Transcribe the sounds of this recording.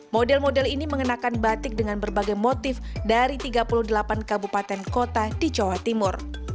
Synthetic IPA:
modɛlmodɛliniməŋənakanbat̪ɪk̚dəŋanbərbaɡajmot̪ɪfdaɾit̪iɡapulʊhdəlapankabupat̪ɛnkot̪adit͡ʃowat̪imʊr

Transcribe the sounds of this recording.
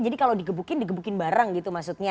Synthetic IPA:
d͡ʒadikaladiɡəbukɪndiɡəbukɪnbaɾaŋɡit̪umaksut̪̚ɲa

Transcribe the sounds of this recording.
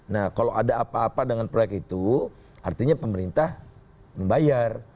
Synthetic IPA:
nahkaloʔadaːpaːpadəŋanpɾojɛkit̪u | ʔa̰rt̪iɲapəməɾint̪ah | məŋbajar

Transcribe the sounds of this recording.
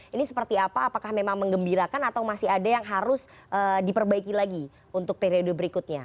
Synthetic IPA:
inisə̥pərt̪iapaːpakahmemaŋməŋɡəmbiɾakanat̪awmasɪɦadajaŋɦaɾʊs | ʔədipərbaikilaɡi | unt̪ʊk̚peɾiodobəɾikʊt̪̚ɲa

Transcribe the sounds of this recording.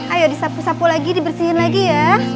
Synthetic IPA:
ajodisapusapulaɡidibərsihɪnlaɡija

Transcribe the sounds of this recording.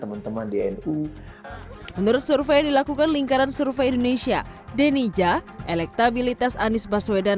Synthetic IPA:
t̪əmant̪əmandiɛnu | mənuɾʊt̪̚surfejadilakukanliŋkaɾansurfeindonesia̰ | denid͡ʒaʔelɛk̚t̪abilit̪asanɪsbaswedan

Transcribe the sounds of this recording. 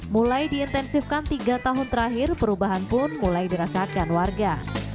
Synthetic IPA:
mulajdiːnt̪ɛnsifkant̪iɡat̪aɦʊnt̪əɾaɦɪrpəɾubaɦanpʊnmulajdiɾasat̪̚kanwarɡa

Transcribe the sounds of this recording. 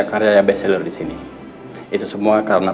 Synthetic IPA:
akaɾjajabɛsɛlərdisini | it̪usəmuakaɾəna

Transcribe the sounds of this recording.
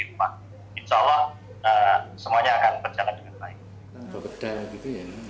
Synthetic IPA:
it̚ma | inʃaːlːɑh | əsəmuaɲaːkanbərd͡ʒalandəŋanbaɪk̚ | bakəd̥aɡit̪uja

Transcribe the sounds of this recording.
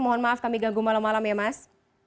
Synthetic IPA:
mɔɦɔnmaafkamiɡaŋɡuŋmalamːalamjamas

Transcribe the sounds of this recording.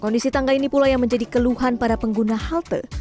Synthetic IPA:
kɔndisit̪aŋɡainipulajaŋməɲd͡ʒadikəluɦanpadapəŋɡunahalt̪ə̰

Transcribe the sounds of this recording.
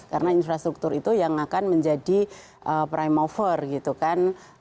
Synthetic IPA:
kaɾənainfɾast̪ɾuk̚t̪ʊɾit̪ujaŋakanməɲd͡ʒadi | ʔəpɾajmofərɡit̪ukan

